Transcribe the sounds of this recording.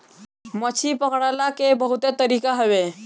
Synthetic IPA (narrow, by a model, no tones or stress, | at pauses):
mət͡ʃʰipəkɽalakebəɦut̪et̪əɾiːkaɦəʋe